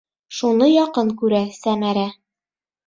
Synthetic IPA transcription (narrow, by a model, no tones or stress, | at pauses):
ʃunɤjɒqɤɴkʉɾæsæmæɾæ